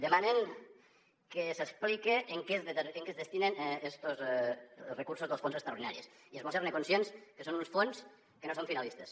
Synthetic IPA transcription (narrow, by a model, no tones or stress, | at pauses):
d̪emaneŋ | kesesplikeʔːŋkezeŋkezðest̪inenest̪oz | rekuɾsozðəlˠsfonsekst̪ɾauɾðina̰ɾies | iezβolˠseɾnekonsienskəsonunsfons | kənosõɱfinalist̪es